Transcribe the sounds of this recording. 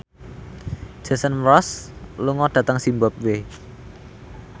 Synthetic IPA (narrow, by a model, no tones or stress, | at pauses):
ʒ̥a̤sənmɾɔsluŋɔɖ̥ä̤t̪əŋsimbap̚we